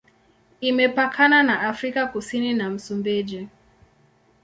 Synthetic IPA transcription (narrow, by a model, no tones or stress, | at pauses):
imɛpakʰananaʔafɾikakusininam̩sumbɛʄɛ